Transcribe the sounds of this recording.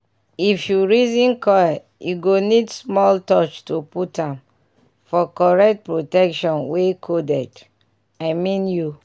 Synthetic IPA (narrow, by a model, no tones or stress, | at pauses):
ifjuɹizĩnkɔjɛ | juɡonidsmɔltɔt͡ʃtuputãm | fɔkɔɹɛk̚t̚pɹotɛkʃɔ̃nwekʰodɛd | aɪmĩnju